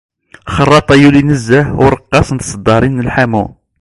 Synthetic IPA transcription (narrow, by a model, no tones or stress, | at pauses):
χərˤːɑt̪ˤɑjulinəzːæhwɾˤəqːɑsnt̪sˤəd̪ːɑɾinːəlħamu